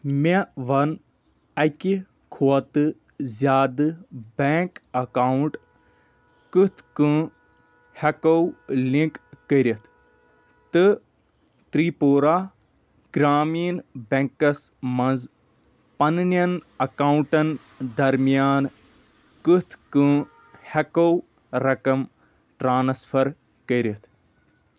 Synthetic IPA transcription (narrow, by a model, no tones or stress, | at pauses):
meʋɐn | ɐki | kʰoɐt̪ɨ | zʲaːd̪ɨbeŋkɐkaːɳʈ | kɨt̪ʰkɨ̃ | hɐkɐwlĩkːəɾʲɐt̪ʰ | t̪ɨ | t̪ɾiːpoːɾaː | ɡ̥ɾaːmiːnbẽŋkɐsmɐ̃nz | pɐnnjɐnɐkaːwuɳʈɐn | d̪ɐɾmijaːn | kɨt̪ʰkɨ̃ː | hɐkow | ɾɐkɐm | ʈɾaːnspʰɐɾ | kəɾɐt̪ʰ